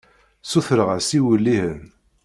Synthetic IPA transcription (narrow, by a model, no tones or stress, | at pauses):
suθɾəʁəsiwəlːihən